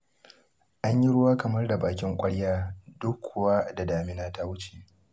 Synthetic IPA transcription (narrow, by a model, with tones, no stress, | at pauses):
ʔa˦ɲji˦ɽʊ˦waː˦kɐ˨mɐ˦rda˨baː˨kʲɪ˦ŋkʷʼɐ˦ɽjaː˦dʊ˦kʷʰːʊ˨waː˦da˨daː˨mɪ˦naː˦ta˦wʊ˦t͡ʃe˨ʔ